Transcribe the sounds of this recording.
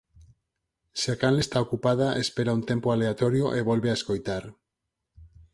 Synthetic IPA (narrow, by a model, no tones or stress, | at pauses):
sakanest̪aokupað̞aʔespeɾaunt̪empoaleat̪oɾjoʔeβ̞olβeaeskojt̪aɾ